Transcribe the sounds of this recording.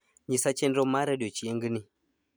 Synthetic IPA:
ɲisat͡ʃɛndɔmaɾaɗɔt͡ʃiɛŋɡini

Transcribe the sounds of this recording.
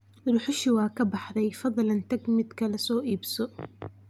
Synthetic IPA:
ɾʊħʊʃɪwɑːkʰɐbɑħðɛjfɑðˤlɐnt̪ɐɡmɪd̪kʰɐlɛsɔːʔiːbsɔ

